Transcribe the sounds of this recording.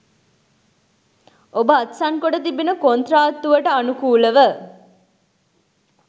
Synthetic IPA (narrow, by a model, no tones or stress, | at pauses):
ʔobəat̪saŋkoʈət̪ibinəkont̪raːt̪ːuʋəʈəanukuːləʋə